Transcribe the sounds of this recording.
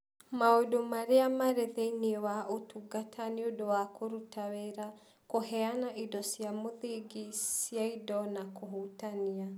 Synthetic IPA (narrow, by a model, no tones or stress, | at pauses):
maodomaɾeamaɾeðeiniwaotuɡatʰaniodowakʰoɾutawɛɾa | koɦɛanaʔidɔsjamoðiɡisjaidɔnakoɦutania